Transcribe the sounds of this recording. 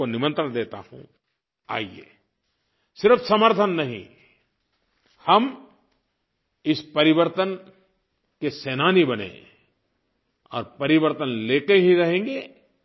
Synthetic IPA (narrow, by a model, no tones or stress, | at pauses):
onɪmə̃nt̪ɾə̃nd̪eːt̪a̰hṵ̃ | a̰ːiḛː | sɪɾəfsɐməɾt̪ʰənːɐɦḭ̃ | hɐm | ɪspɐɾɪʋəɾt̪ən | keseːnaːnibɐnḛ̃ | ɔ̰ːɾpɐɾɪʋəɾt̪ənleːkəɦiɾɐɦẽːŋɡeː